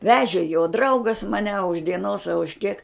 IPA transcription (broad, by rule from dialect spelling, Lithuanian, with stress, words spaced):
ˈʋʲæːʒʲeː joː ˈdrɐʊɡɐs mɐˈnʲɛ ɐ ʊʃ dʲiɛˈnoːs ɐ ʊʃ kʲiɛk